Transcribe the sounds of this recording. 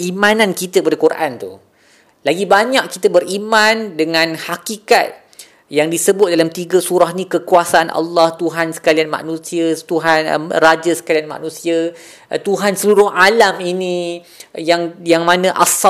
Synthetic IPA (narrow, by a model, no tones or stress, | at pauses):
imãnãnkit̪əpadakurʔa̰nt̪ṵ | laɡibaɲaʔkit̪əbərimãndəŋãnhakika̰t̪̚ | jaŋdisəbʊt̪̚dalamt̪iɡəsuɾahnĩkəkuasaanʔɑ̰lːɑht̪uɦansə̥kalianmã̰nũsiət̪uɦan̰rad͡ʒəsə̥kalianmã̰nũsiə | t̪uɦansəluɾʊhalaminĩ | jaŋjaŋmãnə̃ʔas